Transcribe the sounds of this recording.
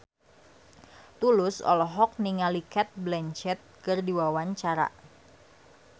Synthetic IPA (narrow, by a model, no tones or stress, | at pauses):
t̪ulʊsɔ̰lɔɦɔk̚niŋalikɛt̪̚blɛnt͡ʃɛt̪̚kɨrdiwawaɲt͡ʃaɾa̰